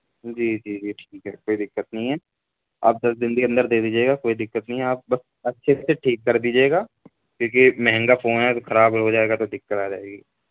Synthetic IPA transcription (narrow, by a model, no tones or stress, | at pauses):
d͡ʒiːd͡ʒiːd͡ʒiːʈʰiːkɦɛ̰ːkoːid̪ɪkːət̪nɐɦĩɦɛː | a̰ːp̚d̪ɐsd̪ɪ̃nd̪iɐ̃nd̪əɾd̪eːd̪iːd͡ʒieːɡakoːid̪ɪkːət̪nəɦĩɦɛaːp̚bɐs | ɐtːʃʰeseʈʰiːkːɐɾd̪iːd͡ʒeːɡaː | kjõːk̬imɛɦɛ̃ŋɡafʰoːnɦɛt̪oxɐɾaːbɦod͡ʒaːeːɡat̪od̪ɪkːəɾaːd͡ʒaːeːɡi